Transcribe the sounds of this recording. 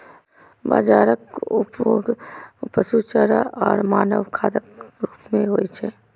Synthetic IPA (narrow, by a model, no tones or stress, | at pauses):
ba̰ːd͡ʒaːɾəkʊpjoːɡpəsut͡ʃəɾaʔɔːɾmaːnəʋkʰaːd̪əkɾuːpmẽɦoːit͡ʃʰeː